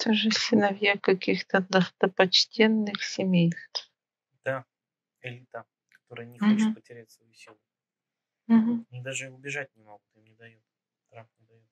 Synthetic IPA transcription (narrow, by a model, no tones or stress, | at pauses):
t̪aʐɨsʲɪnɐvjakɐkʲixt̪əd̪ɐxt̪əpɐt͡ɕtʲʰenːɨxsʲɪmʲejst̪f | d̪̥a | ɪlʲit̪a | kɐ̥t̪oɾɨjənʲɪoɦt̪̚pətʲɪɾʲɛtʲsvɐjisʲilˠʊ | m̩ɦm̩nʲid̪aʐɨʊbʲɪʐat̚ʲnʲɪmoɡʊt̪imnʲɪd̪ɐjut̪ | ɾafnʲɪd̪ɐjut̪